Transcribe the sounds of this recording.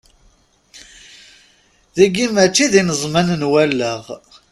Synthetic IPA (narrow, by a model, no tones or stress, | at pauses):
ðæɡimat͡ʃːiðinəzˤmænənwælːəʁ